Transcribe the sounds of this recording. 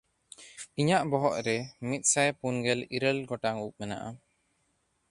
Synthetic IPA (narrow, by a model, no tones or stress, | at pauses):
iɲaʔbɔɦɔʔɾɛmit̪̚ˀsajpunɡɛliɾəlɡɔʈaŋup̚mɛna̰ʔa